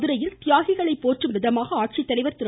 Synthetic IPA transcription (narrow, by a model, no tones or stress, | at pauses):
ðɯɾɐjɪlt̪ɪjaːɣɪɣɐɭɐɪpːoːʈrɯmʋɪðɐmaːɣɐaːʈ̚t͡ʃit̪ːɐɽɪʋɐɾt̪ɪɾ